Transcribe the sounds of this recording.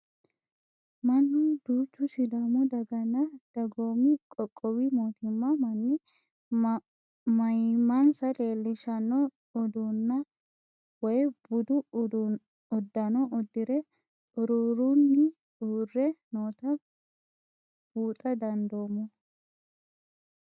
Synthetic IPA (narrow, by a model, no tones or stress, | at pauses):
mɐnːʊd̪̥uːt͡ʃːʊʃɪd̪ɐmɔd̪ɐɡɐnːɐd̪̥ɐɡoːmɪkʼɔkʼːɔwimoːt̪ɪmːɐmɐnːɪ | mɐjmɐnsɐle̞ːlːɪʃɐnɔː | d̪unːɐ | wɔjbʊd̪ʊ | ɔd̪ːɐnɔʔɔd̪ːɪɾɛ | ʔʼʊɾuɾunːɪ | uːrːɛnoːt̪ɐ | b̥uːt̪ʼɐd̪ɐnd̪o̞ːmɔ